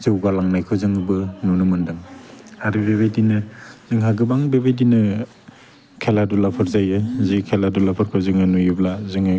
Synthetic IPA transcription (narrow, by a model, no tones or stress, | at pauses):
zɯwɡalaŋnajkʰɯzɯŋɯbɯnunɯmɯndɯŋhaɾibeβejdinɯz̥ɯŋɦaɡɯbaŋbebejdinɯ | kʰeladulapʰɯɾzajɯzikʰeladulapʰɯɾkʰɯzɯŋɯnujɯblazɯŋɯ